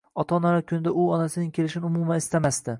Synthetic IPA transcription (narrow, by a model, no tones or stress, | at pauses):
ɒt̪ʰɒnaɾakʲʰʊnɪd̪aʊɒnasɪnɪŋʲkʲʰe̞lɪʃɪnɪʊmʊmanɪst̪amast̪ɪ